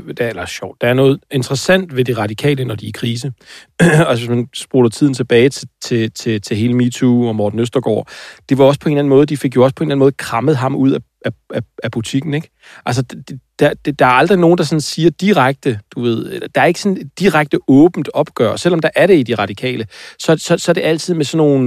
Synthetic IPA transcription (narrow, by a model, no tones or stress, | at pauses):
d̥elɐɕɒʊ̰d̥ːɑ̈æɐnɔ̽ːð̞̩ˠe̝nd̥ʁɐsæn̰d̥ʋe̝d̥iʁɑ̈ɾ̥ikʰɛ̰ːlənɒd̥iækʰʁiːs̬ə | æsʋesmænsb̥uɐdˠɐt͡sʰið̰ˠn̩t͡sʰe̝b̥ɛːɪt͡sʰet͡sʰe̝t͡sʰe̝t͡sʰe̝ɦe̝ːləmit͡sʰuɒ̽mɒːd̥n̩øsd̥ɐɡ̥ɒ̰ːd̥e̝ʋɑ̈ɒ̽spʰɒe̝nlæn̩mɔ̽ːð̩ˠd̥ife̝ɡ̥jo̝ɒ̽spʰɒ̝nlænmɔːð̩ˠkʰʁɑ̈məð̞̩ˠɦɑ̈muð̞̰ˠæ | æææb̥ut͡sʰiɡ̥n̩eɡ̥ | ʔælsədd̥ed̥æd̥d̥ɑ̈æɐɑ̈ld̥ʁino̝ːn̩d̥ɑ̈sɒ̽nsiːɐd̥iʁaɡ̥̚d̥əd̥uʋe̝ð̞̰ˠelɐd̥ɑ̈æɐe̝ɡ̥əsɒ̽ned̥iʁaɡ̥̚d̥əʔɔ̽ːb̥n̩d̥ɒ̽b̥ɡ̥œ̰ɐ̰sel̰ɒ̽md̥ɑ̈ʔæɐɾe̝id̥iʁɑ̈ɾ̥ikʰɛ̰ːləsɒ̽sɒ̽sɒ̽æɐd̥e̝ʔæl̰t͡sʰið̞̰ˠmesɒ̽nːo̝̰ːn